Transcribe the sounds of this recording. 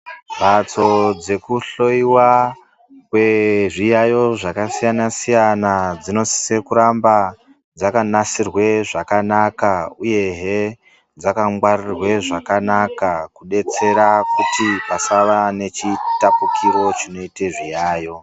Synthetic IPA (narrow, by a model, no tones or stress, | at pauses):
bat͡so̞d͡ze̞kuɬo̞iwa | kwe̞ʐijajo̞ʐakasijanasijanad͡zino̞si̥se̞kuɾamba | d͡zakanasirwe̞ʐakanakauje̞ɦe | d͡zakaŋwarirwe̞ʐakanakakuɗe̞t͡se̞ɾakutipasaʋane̞t͡ʃitapukʰiɾo̞t͡ʃino̞iteʐijaːjo̞